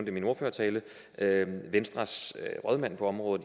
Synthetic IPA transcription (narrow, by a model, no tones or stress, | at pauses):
ʊnd̥əmino̝ɐføːɐt͡sʰɛːlə | øʋensd̥ʁɑ̈sʁœð̞ˠmæn̰pʰɒ̽ɒ̽mʁɔ̽ːð̩ˠ